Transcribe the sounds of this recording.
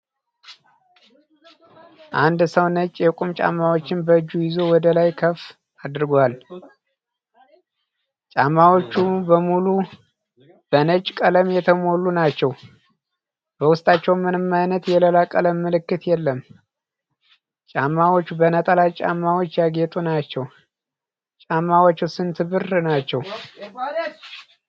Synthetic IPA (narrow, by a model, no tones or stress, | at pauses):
ʔand̪səwnət͡ʃʼːjɛkʼumt͡ʃʼa̰mːawot͡ʃːɪnbəɨd͡ʒːujɪzo̞wɔd̪əlajkʰəf | ad̪ɾɨɡʷal | t͡ʃʼamːawo̞t͡ʃːubəmulu | b̥ənət͡ʃʼkʼələmjɛt̪ʰəmo̞lːunat͡ʃːɛw | b̥əwʊst̪ʼat͡ʃːɛwmɨnɨmːajnət̪jɛləlakʼələmːɨlɨkːɨt̪jɛlːəm | t͡ʃʼamːawot͡ʃːubənət̪ʼəlat͡ʃʼa̰mːawot͡ʃːjaɡet̪ʼunat͡ʃːɛw | t͡ʃʼamːawot͡ʃːusɨnt̪ʰɨβɨrnat͡ʃːɛw